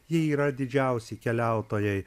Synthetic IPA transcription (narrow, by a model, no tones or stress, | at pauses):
jɪiːɾɐd̪ʲɪd͡ʒʲæˑʊsʲɛkʲɛlʲæˑʊt̪oːjɛɪ